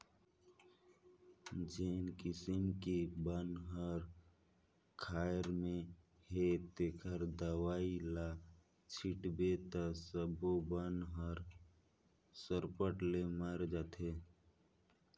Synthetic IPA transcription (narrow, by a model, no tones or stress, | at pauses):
d͡ʒeːnkɪsimkibənɦəɾ | kʰaːjɾmẽ | het̪ekʰəɾd̪əwaːila | t͡ʃʰiʈbet̪asəbobənɦəɾ | səɾpəʈleməɾd͡ʒaːt̪e